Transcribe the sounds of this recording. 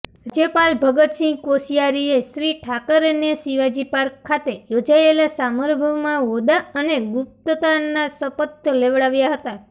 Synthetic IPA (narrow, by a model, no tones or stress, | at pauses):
d͡ʒepalbʱəɡət̪sɪ̃ŋɡkosijaɾieʃɾiʈʰakəɾenesiʋad͡ʒipaɾkʰːat̪ejod͡ʒaelasaməɾbʱəmãʋod̪aəneɡʊp̚t̪ət̪anasəpət̪əleʋɭaʋjaɦət̪a